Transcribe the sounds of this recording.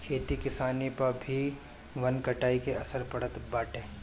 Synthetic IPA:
kʰeːt̪ikɪsaːnipɐɾbʱi | ʋɐnkɐʈaːikeɐsəɾpɐɽ̤ət̪baːʈẽː

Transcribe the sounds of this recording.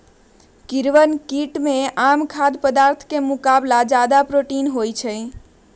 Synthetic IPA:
kiɾʋənkiʈmẽamkʰad̪pəd̪aɾt̪ʰkemukablad͡ʒad̪apɾoʈinɦojt͡ʃʰə

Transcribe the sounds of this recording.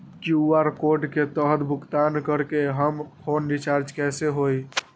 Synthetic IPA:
kjuuaɾkoɾɖket̪əɦt̪bʱʊkt̪ankəɾkeɦəmpʰonɖit͡ʃaɾd͡ʒkɛseɦoj

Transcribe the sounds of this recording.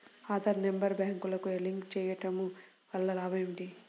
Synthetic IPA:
aːd̪ɐɾnembɐɾbaːŋkulɐkueliŋkt͡ʃɛːjɐʈɐmu | ʋɐlːɐlaːbɐmʈi

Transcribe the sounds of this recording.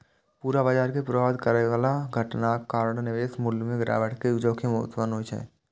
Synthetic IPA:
puːɾabad͡ʒaːɾkepɾəʋaːd̪kəɾeʋaːlaɡʱəʈnakaːɾɽonɪʋeːsmʊlmẽɡɾʔa̰ːʋəʈked͡ʒoːkʰemʊt̪ʋənot͡ʃʰɛ̰

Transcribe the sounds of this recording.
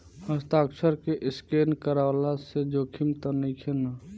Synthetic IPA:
həst̪aːksəɾkeʔɪskeːnkəɾalased͡ʒoːkʰimt̪ənəikʰena

